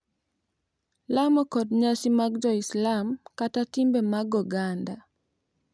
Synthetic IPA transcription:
lamɔkɔdɲasimaɡd͡ʒɔislamkatatimbemaɡɔɡanda

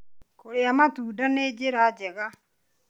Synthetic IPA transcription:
koɾeamatuːdaned͡ʒeɾad͡ʒɛɣa

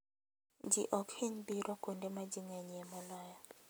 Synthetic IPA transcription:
d͡ʒḭʔɔkheɲbiɾʔɔkondemad͡ʒiŋɛɲɛmɔlɔjɔ

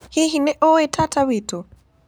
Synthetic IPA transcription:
hiɦinɛʔɔɛtʰatawito

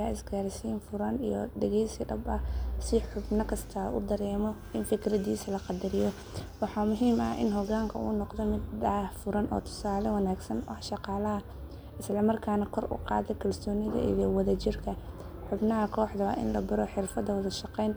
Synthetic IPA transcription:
aːʔɪsɡaːɾɪsiːnfʊɾɐnḭjɔ̰ɖɐɣɛjsɐd̪ɐ̰bɐ̰sɪħʊbnɐkʰɐst̪ʰaʔʊ̰d̪ɐɾɛːmɔ | ɪnfɪkʰɾɐdiːsɐlɐqɑd̪ɐɾɪjɔ | wɑħɑːmʊɦiːmɐ̰hʔɪ̰nɦɔɣaːŋkʰɐṵːnɔqd̪ɔmɪd̪ɐfʊɾɐnʔɔ̰ːt̪ʰʊ̥saːlɛwɑnaːɡsɐnʔɐħʃɑqɑːlɐɦɐ | ɪslɐmɐrkʰaːnɐkʰɔrʊ̰qɑ̰ːðɛkʰɐlsɔːnɪðɐ̰ʔḭjɔwɐðɐt͡ʃɪrkʰɐ | ħʊbnɐɦɐkʰɔːħd̪ɐwa̰ʔɪ̰nlɐbɪɾɔħɪrfɐd̪ɐwɐðɐʃɑqɛjnt̪ʰ

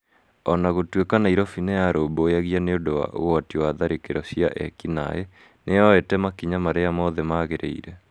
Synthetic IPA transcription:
ɔnaɣotwekanaiɾɔfinejaɾomboaɣianeodowa̰ʔo̰ɣoatiwaðaɾekeɾɔsia̰ʔɛkina̰e | neaetɛmakiɲamaɾeamɔðɛmaɣeɾḛḭɾɛ

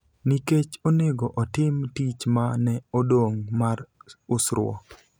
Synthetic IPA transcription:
niket͡ʃoneɡoʔɔtɪmtit͡ʃmanɛodoŋmaɾʊsɾʊ̰ɔ̰

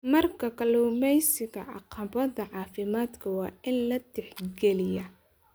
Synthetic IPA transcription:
mɐrkʰɐkʰɐluːmɛjsɪɣɐʕɑ̰qɑbɐðɐʕɑːfɪmaːd̪kʰɐwɑːɪnlɐd̪ɛħɡɛlɪjɐ

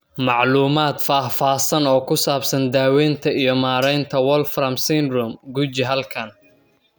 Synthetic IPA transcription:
mɑʕluːmaːd̪faːfaːsɐnɔːkʰʊsaːbsɐnd̪aːwɛnt̪ʰɐijɞmaːɾɛjnt̪ʰɐwɔlfɾɐmsinrʊmɡut͡ʃɪɦɐlkʰɐn

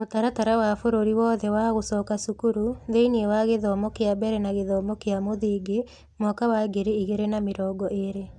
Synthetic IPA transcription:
motaɾataɾawafoɾoɾiwɔðɛwaɣosɔːkasukuɾuðeiniewaɣeðɔːmɔkeabɛɾɛnaɣeðɔmɔkeamoðiːɡe | mɔkawaɡeɾeiɣeɾenameɾɔːɡɔʔeɾe

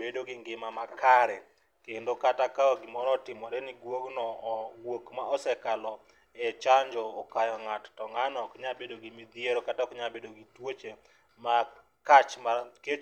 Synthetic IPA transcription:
bedoɡiŋɡɪmamakʰaɾɛ | kendokatakaɔɡɪmɔɾɔtɪmɔdɛniɡwoɡnɔɡwokmaɔsɛkalɔ | ɛt͡ʃaɲd͡ʒɔːkajɔŋattɔŋanɔkɲabedoɡimid̪ijeɾokatakɲabedoɡitwot͡ʃe | ma | kat͡ʃmake

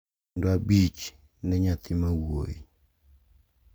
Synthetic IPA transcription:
ndoabit͡ʃ | nɛɲat̪imawojḭ

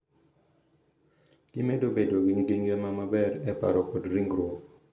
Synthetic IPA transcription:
d̥imedobedoɡiɲɡiŋɡemamabɛɾɛpa̰ɾɔkodɾiŋɡɾwɔ

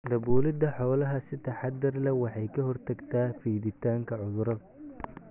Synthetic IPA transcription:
d̪ɐbuːlɪd̪ɐħɔːlɐɦɐsɪt̪ʰɐħɑd̪ɪrlɐwɑħɑjkʰɐɦɔrt̪ʰɐɡt̪ʰaːfiːðɪt̪ʰaːŋkʰɐʕʊðʊɾɐðɐ

